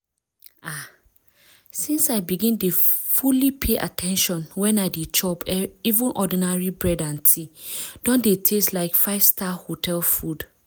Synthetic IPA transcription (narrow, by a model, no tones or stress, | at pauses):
a | sĩnsaɪbiɡĩndefulipʰeʔa̰tʰɛ̃nʃɔ̃nwɛ̃naɪdet͡ʃʰɔpɛivũnʔɔdĩnaɹibɹɛdãntʰid̥ɔ̃ndetʰestlaɪkfaɪvstʰahotʰɛlˠfud̥